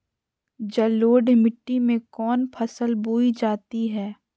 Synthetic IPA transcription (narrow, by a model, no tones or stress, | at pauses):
d͡ʒɐloːɖmɪʈːimẽkɔːnpʰɐsəlbuːid͡ʒaːt̪iɦɛː